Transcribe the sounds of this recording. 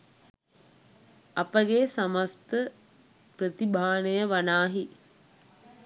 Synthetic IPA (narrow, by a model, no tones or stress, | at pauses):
ɐpəɡeːsaməst̪ə | pɾət̪ibʱaːnəjəʋanaːɦi